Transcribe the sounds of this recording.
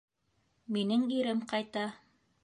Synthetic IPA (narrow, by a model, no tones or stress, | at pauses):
minɘŋiɾɘmqɑjt̪ɑ